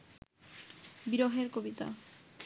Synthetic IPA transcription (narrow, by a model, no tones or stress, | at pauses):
biɾoɦeɾkobit̪a̰